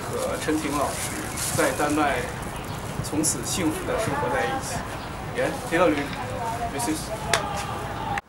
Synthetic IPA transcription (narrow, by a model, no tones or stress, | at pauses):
xʰɤʈ͡ʂʰənt̪ʰiŋlɑʊʂɻ̩ | t͡saɪt̪anpaɪ | t͡sʰʊŋt͡sʰɹ̩ɕiŋfud̪əʂɤŋxwɔt͡saɪit͡ɕʰi̥̰ | jɛnpʰet̪ɑʊly | esi